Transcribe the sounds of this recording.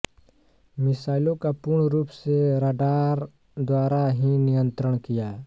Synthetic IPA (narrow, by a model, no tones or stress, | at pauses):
mɪsaːɪlõkapʊɾɳɾuːpseɾaːɖaːɾ | d̪waːɾaɦinɪjə̃nt̪ɾəɽ̃kijaː